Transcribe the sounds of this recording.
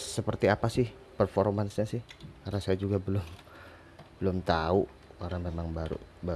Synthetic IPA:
səpərt̪iapasɪh | pərfoɾmansɲasɪhaɾasajad͡ʒuɡabəlʊm | bəlʊmt̪au | kaɾaŋmemaŋbaɾṵba

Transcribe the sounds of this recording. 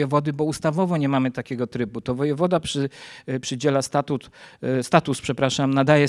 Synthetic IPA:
jɛvɔd̪ɘbɔust̪avɔvɔɲɛmamɘt̪akʲɛɡɔt̪ɾɘbut̪ɔvɔjɛvɔd̪apʂɘpʂɘd͡ʑɛlast̪at̪ut̪st̪at̪uspʂɛpɾaʂamnad̪ajɛ

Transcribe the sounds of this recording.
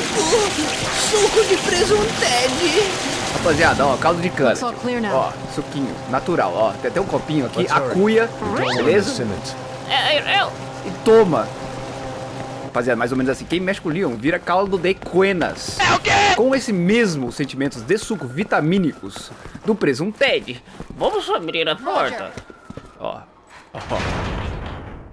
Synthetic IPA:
sukʊd͡ʒɪpɾezũt̪ɛd͡ʒɪapaziad̪ɐɔkawd̪ɐd͡ʒɪkɐ̃nɐsɔleɔ̰ | sukĩɲʊ̰nat̪uɾa̰wɔt̪ẽat̪ɛ̃ʊ̃kopĩɲʊakiakujɐbelezɐsmḛ̃ | ɛɛɛ | ɪt̪õmɐ | vaziad̪ɐmajzomẽnʊzasĩkẽj̃mɛʃi̥kʊliõw̃viɾɐkawlɐd̪ʊd̪ekẽnɐ̰skekõesɪmezmʊsẽnt͡ʃimẽnt̪ʊzd̪esukʊvit̪amĩnikʊsd̪ʊpɾezʊũt̪ɛd͡ʒɪvɐ̃mʊsobɾeɾɐpɔɾt̪ɐ̰ | ɔ̰ | ɔ

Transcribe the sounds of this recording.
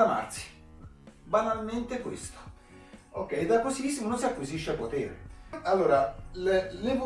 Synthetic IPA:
ama̰rt̪si̥ | banalment̪ɪkwḛst̪o̥ | okːɛjd̪akːosisimononsiakːwiziʃːeapːot̪ḛːɾḛalːoːɾalelepu

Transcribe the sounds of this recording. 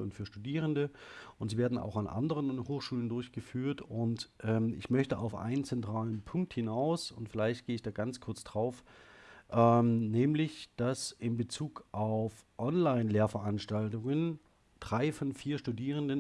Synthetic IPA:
ʊntfyːɐʃtudiːʁ̞əndəʔʊntz̥iːveːɐdn̩a̰ʊxanʔa̰ndəʁ̞ənhoːxʃuːləndʊɐçɡ̥əfyːɐtʊntʔɛːmʔɪ̰çmœçtəʔa̰ʊfʔa̰ɪnənt͡sɛntʁ̥aːlənpʰʊŋk̚thɪnaʊsʊntfɪlaɪçt̚ɡ̥eːəɪçd̥aːɡant͡skʰʊɐt͡sd̥ʁaʊfʔɛmnɛːmlɪçd̥asɪmbət͡suːkʔaʊf | ʔɔnlaɪnleːɐfɛɐʔanʃtaltʊŋən | d̥ʁaɪfɔnfiːɐʃtudiːʁ̞əndən

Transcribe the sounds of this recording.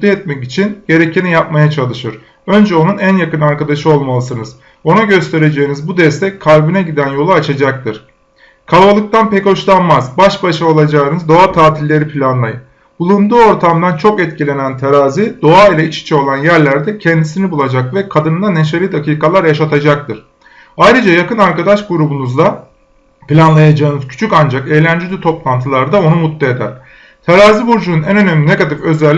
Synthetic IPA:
d̪iɛt̪̚mɛcit͡ʃʰinɟ̥e̞ɾecinijap̚majat͡ʃʰalˠɯʃɯɾ̥ | ø̞nd͡ʒɛo̞nunænjakɯnaɾkad̪aʃɯo̞lˠmalˠɯsɯnɯz̥ | o̞naɟø̞st̪ʰe̞ɾe̞d͡ʒe̞jːnizbud̪ɛst̪ʰɛckʰːaɾbinɛɟid̪ænjo̞lˠuat͡ʃʰad͡ʒak̚t̪ʰɯɾ̥ | kʰalˠbalˠɯk̚t̪ʰanpɛco̞ʃlˠanmazbaʃbaʃao̞lˠad͡ʒaɯnɯzd̪o̞at̪ʰaːt̪ʰilʲːe̞ɾipʰilʲanlˠajɯn | bulˠund̪uːo̞ɾt̪ʰamd̪ant͡ʃʰo̞kɛt̪̚cilʲe̞nænt̪ʰaɾaːzid̪̥o̞ailʲɛit͡ʃi̥t͡ʃʰɛo̞lˠanjæɾlʲæɾd̪ɛcʰɛnd̪isinibulˠad͡ʒakvɛkʰad̪ɯnɯnd̪ane̞ʃ̬aɾid̪akiːkalˠaɾjaʃat̪ʰad͡ʒak̚t̪ʰɯɾ̥ | ajɾɯd͡ʒajakɯnaɾkad̪aʃɡuɾubunuzla | pilʲanlˠajad͡ʒaɯnɯzcʰy̥t͡ʃʰycand͡ʒake̞jlʲænd͡ʒid̪ʲyt̪ʰo̞plˠant̪ʰɯlˠaɾd̪ao̞numut̪lːeed̪æ̰ɾ̥ | t̪ʰaɾaːzibuɾd͡ʒununænø̞nemlʲine̞ɡat̪ifø̞zælʲ

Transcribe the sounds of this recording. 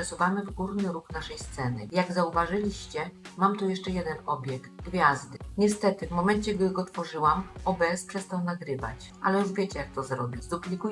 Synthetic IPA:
suvamɘvɡuɾnɘɾuxnaʂɛjst̪sɛnɘ̰jaɡzauvaʐɘlʲiɕt͡ɕɛmamt̪ujɛʂt͡ʂɛjɛd̪ɛnɔbʲjɛkt̪ɡvʲjazd̪ɘɲɛst̪ɛt̪ɘvmɔmɛnt͡ɕɛɡd̪ɘɡɔt̪fɔʐɘwamɔbɛspʂɛst̪awnaɡɾɘva̰t͡ɕ | ʔa̰lɛjuʐvʲjet͡ɕɛjak̚t̪ɔzɾɔ̰bʲizd̪uplʲiku

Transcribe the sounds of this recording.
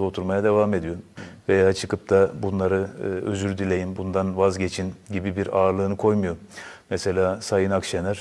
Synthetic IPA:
o̞t̪ʰuɾmajad̪e̞vaːme̞d̪ijo̞vejaat͡ʃʰɯkɯp̚t̪ʰabunlˠaɾɯøzyɾd̪ilʲe̞jinbund̪anvazɟe̞t͡ʃʰinɟibibiɾaːɾlˠɯːnɯkʰo̞jmujo̞mese̞lʲaːsajɯnakʃenæɾ̥

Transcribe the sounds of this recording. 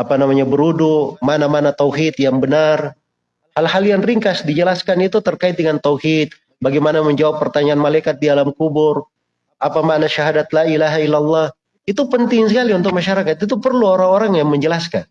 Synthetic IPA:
apanamaɲabəɾudumanamanat̪awɦit̪̚jaŋbənar | halhaljaŋriŋkasdid͡ʒəlaskanit̪ut̪ərkaɪt̪̚dəŋant̪awhit̪̚ | baɡajmanaməɲd͡ʒawapːərt̪aɲaːnmalajkat̪̚didalamkubʊr | ʔapamanaʃaɦadat̪̚lailaɦailːalˠːɑh | it̪upənt̪ɪŋsəkaliunt̪ʊk̚maʃaɾakat̪it̪̬upərluoɾaŋoɾaŋjaŋməɲd͡ʒəlaskan

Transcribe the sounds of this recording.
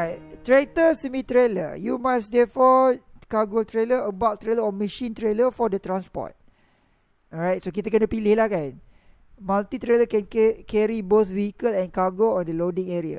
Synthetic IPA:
ajt̚t̪ɾet̪əsəmĩt̪ɾelə̰jumãsdɛfɔkaɡot̪ɾeləəbawʔt̪ɾeləɔməʃĩnt̪ɾeləfɔdət̪ɾãnspɔ̰t̚ | ɔɹajt̚sokit̪akənapilɪhlahkãn | mãlt̪it̪ɾeləkɛ̃nkkɛɾiboθwihikəlɛ̃nkaɡoɔ̃ndəlodĩŋɛɹia̰

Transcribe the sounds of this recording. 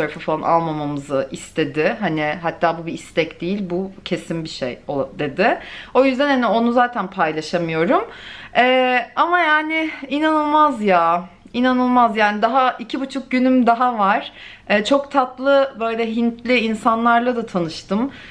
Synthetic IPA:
oɾfafalˠanʔa̰lˠmamamɯzɯʔist̪ʰe̞d̪ɪɦanɪɦat̪ʰːaːbubiːst̪ɛcd̪ejilʲbucʰe̞simbiʃḛjod̪e̞d̪ɪo̞jyzd̪ænhanio̞nuzaːt̪ʰænpʰajlˠaʃamɯjo̞ɾumɛːamajaːnɪinanɯlˠmazja | inanɯlˠmazjaːnid̪aɦaicʰibut͡ʃʰuk̚ɟynymd̪aɦavaɾ̥ | ɛːt͡ʃʰo̞kt̪ʰat̪lˠɯbø̞jlʲɛɦint̪ʰlʲɪinsanlˠaɾlˠad̪at̪ʰanɯʃt̪ɯm

